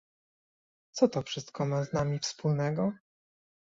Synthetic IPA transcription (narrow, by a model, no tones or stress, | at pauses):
t̪sɔt̪ɔfʂɘst̪̚kɔmaznamʲifspulnɛɡɔ